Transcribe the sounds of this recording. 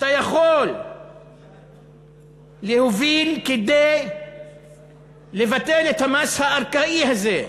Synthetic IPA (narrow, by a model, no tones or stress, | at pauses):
at̪ajaχo̞l | ehovilked̪ej | le̞vat̪e̞let̪hamashaːʁkaihaze̞